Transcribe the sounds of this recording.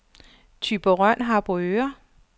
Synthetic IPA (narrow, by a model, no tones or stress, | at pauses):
t͡sʰyb̥oʁœn̰ɦɑ̈b̥øːɐ